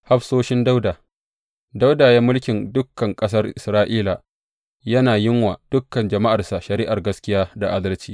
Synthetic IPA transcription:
ha˦ɸsoː˦ʃɪ˦nda˦wda˨ | da˦wdaː˨jaː˦mʊ˦lkʲɪ˨ndʊ˦kːɐ˨ŋkʼɐ˦s̬ɐ˦rʔɪ˨sɾaː˦ʔiː˦la˨ | jɐ˦naː˨jɪ˦ŋwaː˨d̥ʊ˦kːɐ˨nd͡ʒɐ˨ma˦ʔa˨rsa˨ʃɐ˨ɾiː˦ʔa˨rɡɐ˦skʲɪ˦jaː˦da˨ʔa˦dɐ˦lt͡ʃiː˦

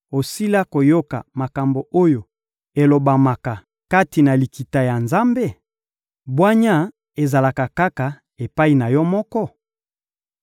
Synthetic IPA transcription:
o˨si˦la˦ko˨jo˦ka̰˨ma˨ka˨mbo˨o˦jo˨ | e˨lo˨ba˨ma˨ka˨ | ka˦ti˨na˨li˨ki˨ta˨ja˨nza˦mbe˦˨ | bwa˦ɲa˦ | e˨za˨la˨ka˨ka˦ka˨ | e˨pa˦i˨na˨jɔ˦mɔ˦kɔ˦

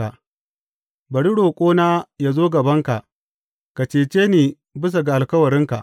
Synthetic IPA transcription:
a˨ | bɐ˨ɽi˦ɽoː˨kʷʼoː˦naː˦ja˦zoː˦ɡɐ˨bɐ˦ŋka˨ʔ | ka˨t͡ʃeː˨t͡ʃeː˦neː˨ | bɪ˦s̬a˨ɡa˨ʔa˨lkɐ˦wɐ˨ɾɪ˦ŋka̰˨ʔ

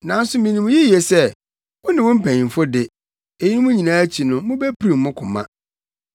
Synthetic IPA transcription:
nã˨˦n̩˦sʊ˦mĩ˨nĩ˨mũ˦jɛ˦ji˨e˨sɛ˦ | wʊ̃˦nɪ̃˨wʊ̃˦m̩˦pʰæ̃˨ɲĩ˨fʊ˦dɪ˨ | e˨ji˦nʊ̃˦mũ˦ɲĩ˨nãː˦æ˦t͡ɕʰi˨nʊ̃˦mʊ̃˦bæ˦pʰi˦ɾĩ˨mː˦ʊ̃˦kʰʊ̃˨mã̰˦

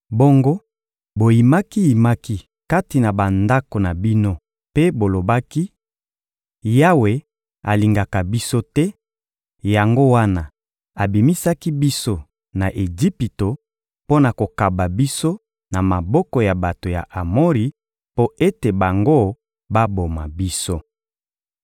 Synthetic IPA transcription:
bo˦ŋɡo˦ | bo˨ji˨ma˦ki˦ji˨ma˦ki˦ | ka˦ti˨na˨ba˨nda˦ko˨na˨bi˦no˦ | pe˦bo˨lo˨ba˦ki˦ | ja˦we˨ | a̰˨li˨ŋɡa˨ka˨bi˦so˦tɛ˦ | ja˨ŋɡo˦wa˦na˨ | a˨bi˨mi˦sa˦ki˦bi˦so˦ | na˨ʔe˨d͡ʒi˦pi˨to˨ | po˦na˨ko˨ka˨ba˨bi˦so˦ | na˨ma˨bɔ˦kɔ˨ja˨ba˨to˨ja̰˨ʔa˨mo˦ʁi˨ | po˦e˦te˨ba˨ŋɡo˦ | ba˦bo˨ma̰˨bi˦so˦

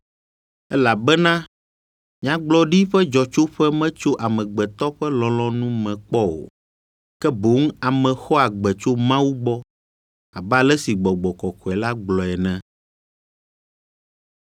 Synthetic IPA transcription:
ɛ˦la˨bɛ˦nã˦ | mĩ˨ã˦ɡ͡blɔ˦ɖi˦ɸɛ˦d͡ʒɔ˨t͡ʃo˦ɸɛ˦mɛ̃˦t͡ʃo˦ʔa˨mɛ̃˨ɡ͡bɛ˨t̪ɔ˦ɸɛ˦lɔ̃˨lɔ̃˦nũ˦mɛ̃˨k͡pɔ˦o̰˨ | kɛ˦bo˨˦ŋ˦a˨mɛ̃˨xɔ˦a˨ɡ͡bɛ˨t͡ʃo˦mã˦wu˦ɡ͡bɔ˦ | a˨ba˨lɛ˦si˨ɡ͡bɔ˨ɡ͡bɔ˨kɔ˨kɔ˨ɛ˨la˦ɡ͡blɔ˨ɛ˨nɛ̃˨

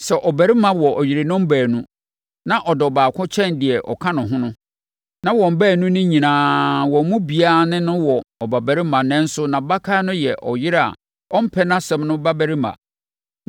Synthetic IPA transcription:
sɛ˨ʔɔ˨bæ˨ɾi˦mã˦wɔ˨ʔɔ˨jɪ˨ɾe˨nʊ̃˦m̩˦bæː˨nũ˦ | nã˦ʔɔ˨dɪ˨ɔ˨baː˨kʰʊ̃˦t͡ɕʰɛ̃˦ndɪ˨ɛ˨ʔɔ̰˨kʰã˦nʊ̃˨ɦʊ̃˦nʊ̃˦ | nã˦wɔ̃˨m̩˨bæː˦˨nũ˦nʊ̃˦ɲĩ˨nãː˦wɔ̃˨m̩˦mũ˦bi˨a˦˨nɪ̃˦nʊ̃˦wɔ˨ɔ˨ba˨bæ˨ɾi˦mã˨nɛ̃˦n̩˦sʊ˦nã˨ba˦kʰa˦nʊ̃˦jɛ˨ʔɔ˨jɪ˦ɾa̰˨ | ɔ˦m̩˦pʰɛ˦nã˦sɛ̃˦mnʊ̃˦ba˦bæ˦ɾi˦mã̰˨

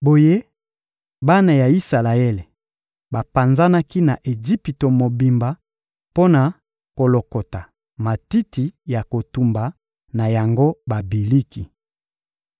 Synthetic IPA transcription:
bo˨je˦ | ba˦na˨ja˨i˦sa˨la˨e˦le˨ | ba˨pa˨nza˦na˦ki˦na˨ʔe˨d͡ʒi˦pi˨to˨mo˨bi˨mba˨ | po˦na˨ | ko˨lo˨ko˨ta˨ | ma˨ti˦ti˨ja˨ko˨tu˨mba˨ | na˨ja˨ŋɡo˦ba˨bi˨li˦ki˨

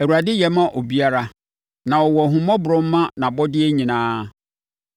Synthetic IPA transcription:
æ˨wu˨ɾa˨dɪ˦jɛ˨˦mã˦ʔo˨bi˦a˦ɾa˦ | nã˨ɔ˨wɔ˨ɦũ˨mã˦bʊ˨ɾʊ̃˦m̩˦mã˦nã˨bɔ˦dɪ˦ɛ˦ɲĩ˨nãː˦

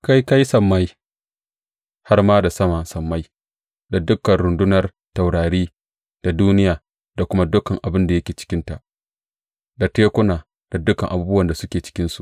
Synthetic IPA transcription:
ka˦jka˦jsɐ˨mːa˦j | ha˦rmaː˦da˨sɐ˦maː˨sɐ˨mːa˦j | da˨dʊ˦kːɐ˨nɾʊ˨ndʊ˦nɐ˨r | ta˨wɽaː˨ɽiː˦ | d̥a˨duː˦nɪ˦jaː˨ | da˨kʷʊ˦ma˦dʊ˦kɐ˨ŋʔa˨bɪ˦nda˨jɐ˦kʲeː˨t͡ʃɪ̥˦kʲɪ˦nta˨ʔ | da˨teː˦kʷʊ˦naː˨ | d̥a˨dʊ˦kɐ˨ŋʔa˨buː˦bʊ˦wɐ˨nda˨sʊ˦kʲeː˨t͡ʃɪ̥˦kʲɪ˦nsu˨

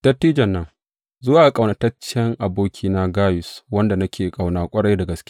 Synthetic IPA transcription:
tɐ˦tːiː˦d͡ʒɐ˨nːɐ˦ŋ | zʊ˦waː˨ʔa˦kʼa˨wna˨tɐ˦t͡ʃːɛ˦ŋʔa˨boː˦kʲʰiː˦na˦ɡaː˦jʊ˨swɐ˦nda˨nɐ˦kʲeː˨kʼa˨wnaː˦kʷʼɐ˦ɽɐ˦jda˨ɡɐ˨skʲː

